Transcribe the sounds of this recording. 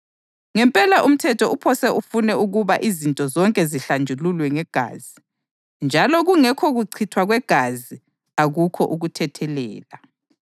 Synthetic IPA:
ŋɛmpʼɛlaʔum̩tʰɛtʰɔupʰɔsɛʔufunɛuɣuβaʔizintʼɔzɔŋkʼɛziɬand͡ʒʱululwɛŋɛɡ̥ʱa̰ːzi | nd͡ʒʱalɔɣuŋɛkʰɔɣuǀʰitʰwaɣwɛɡ̥ʱazi | aɣukʰɔʔuɣutʰɛtʰɛlɛ̰ːla

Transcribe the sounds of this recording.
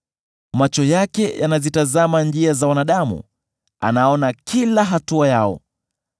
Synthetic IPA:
mat͡ʃɔjakɛja̰nazitazamand͡ʒiazawanaɗamṵ | a̰naɔnakʰilaɦatuajaɔ̰

